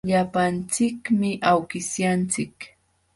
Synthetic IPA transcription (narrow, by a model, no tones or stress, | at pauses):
ʎapant͡sɪkmɪʔawkɪsjant͡sɪk